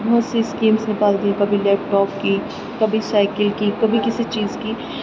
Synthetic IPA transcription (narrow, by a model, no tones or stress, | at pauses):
bɔːt̪seskĩːmsnɪkaːld̪iẽkɐbʱilɛːp̚ʈɔːp̚ki | kɐbʱisaːɪkəlkikɐbʱikɪsit͡ʃiːzki